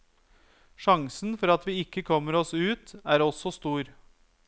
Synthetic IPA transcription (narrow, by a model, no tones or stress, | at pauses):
ʂɑŋsn̩fɔɾɑt̪ʋiːɪkːəkʰɔmːəɾɔsʉːt̪æːɾɔsɔst̪uːɾ